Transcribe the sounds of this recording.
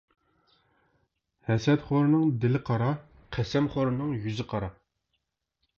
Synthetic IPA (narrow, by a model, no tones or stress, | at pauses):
hɛsɛt̪χoɾɨnɨŋd̪ɪlɪqʰɑɾɑ | qʰɛsɛmχoɾɨnɨŋjyzɪqʰɑɾɑ